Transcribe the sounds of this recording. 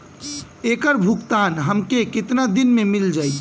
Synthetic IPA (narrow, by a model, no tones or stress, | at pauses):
ekəɾbʱukt̪anɦəmkekɪt̪nad̪inmemild͡ʒaj